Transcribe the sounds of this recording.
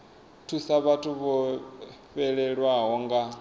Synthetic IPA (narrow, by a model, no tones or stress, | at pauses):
tʰusaβatʰuβɔ | ɸɛɺɛɺwaɦɔŋɡa